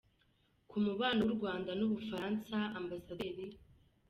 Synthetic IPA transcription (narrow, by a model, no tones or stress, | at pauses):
kumuβaːnoɾɡwaːndanuβufaɾansaambasadeɾi